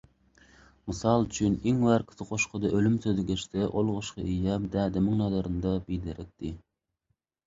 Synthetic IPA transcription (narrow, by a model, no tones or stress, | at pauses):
mɨsɑlˠyt͡ʃʰyneŋwæɾkʲʰɪ̥t̪ɨqʰoʃqʰəd̪ɑʔølymt̪ʰød̪ɪɡʲɛʃt̪ɛʔolˠʁʊʃqʰɑʔijɛmd̪ɛd̪ɪmɪŋnɑd̪ɑɾɨnd̪ɑbild̪ɪɾɪk̚t̪ʰːɪ